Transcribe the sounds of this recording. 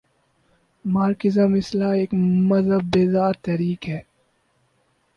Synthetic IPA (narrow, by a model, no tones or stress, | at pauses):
maːɾkɪzamɪslaeːkmɐzəbːeːzaːɾt̪ɛɾiːkɦɛː